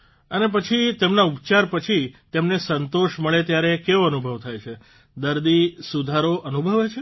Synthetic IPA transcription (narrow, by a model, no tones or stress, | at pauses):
ənep̬ət͡ʃʰit̪emnaupt͡ʃaɾpət͡ʃʰit̪emnesənt̪oʃməɭet̪jaɾekeʋoənubʱəʋt̪ʰajt͡ʃʰe | d̪əɾd̪isud̪ʱaɾoʔənubʱəʋet͡ʃʰe